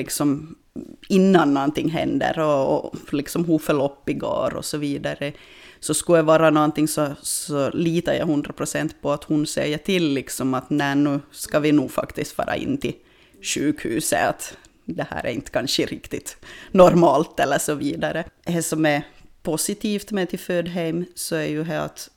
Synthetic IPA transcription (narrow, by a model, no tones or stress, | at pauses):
ɪksɔm | ɪnːanːɔnt̪ɪŋːɦɛ̰nd̪ə̰ɾɔ̰lɪksɔmɦuːfəɭɔpːɪɡo̰ːɾɔ̰sɔviːd̪aɾə | sɔskʉjɛvɑːɾanɔnt̪ɪŋsɔsɔliːt̪ɑja̰hɵnd̪ɾapʰɾʊsɛnt̪pʰɔat̪hʊnsɛ̰jːəʈʰɪlːɪksɔmat̪nænʉːskɑʋɪnuːɡfa̰kt̪ɪst̪fɑ̰ːɾa̰ʔɪ̰nːt̪ʰɪl | ʂʉːkhʉ̰ːsə̰a̰t̪ | d̪ɛhæ̰ːɾæ̰ɾɪnt̪ə̥kʰanʂəɾɪkt̪ɪt̪nɔɾmɑːlt̪ɛlːəʂɔviːd̪aɾəhɛsɔmɛpʰʊsɪt̪ʰiːft̪mɛt̪ʰɪlføːd̪ɦɛɪmsɔæjʉɦɛa̰t̪